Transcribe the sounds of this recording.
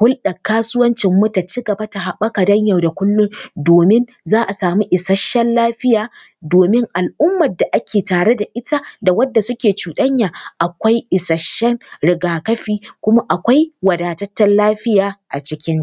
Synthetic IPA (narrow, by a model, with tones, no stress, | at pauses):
hʊ˦lɗɐ˨kːaː˦sʊ˦wɐ˦nt͡ʃɪ˨mːʊ˦ta˨t͡ʃɪ˦ɡɐ˨ba˦ta˨ha˨ɓɐ˦ka˨dɐ˦ɲjɐ˨wda˨kʷʊ˦lːʊ˦ŋdoː˨mɪ˦n | zaː˦ʔa˨saː˨muː˦ʔɪ˨sɐ˦ʃːɛ˦nlaː˦ɸɪ˦jaː˨ | doː˨mɪ˦ŋʔa˨lʔʊ˦mːɐ˨da˨ʔa˦kʲeː˨taː˨ɽe˦da˨ʔɪ˦ta˦da˨wɐ˦dːa˨sʊ˦kʲeː˨t͡ʃuː˨ɗɐ˦ɲjaː˨ʔa˨kʷa˦jʔɪ˨sɐ˨ʃːɛ˦nɽɪ˨ɡaː˨kɐ˦ɸiː˦kʷʊ˦ma˦ʔa˨kʷa˦jwɐ˨daː˨tɐ˦tːɐ˦nlaː˦ɸɪ˦jaː˨ʔa˨t͡ʃɪ˦kʲɪ˦ŋ